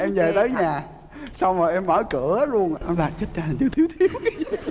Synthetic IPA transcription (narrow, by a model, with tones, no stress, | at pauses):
ʔɛ˧mzəː˨˩t̪əː˨˦jɲaː˨˩ | sa˧wŋ͡məː˨˩ʔɛ˧mːə̰ː˧˩kɨ˧˩˨əa˨˦lu˧ən˨ʔlaː˨˩t͡ɕə˦˥t̚t͡ɕa˧ha˨˩ŋʰi˨˦wt̪ʰi˨˦wt̪ʰi˨˦əw